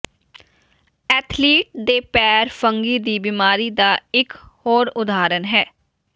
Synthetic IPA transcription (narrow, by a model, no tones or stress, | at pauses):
ɛːt̪ʰliːʈ̚d̪eːpɛːɾfʰəŋɡiːd̪iːbɪmaːɾiːd̪aːɪkhoːɾʊd̪aːɾənɦɛː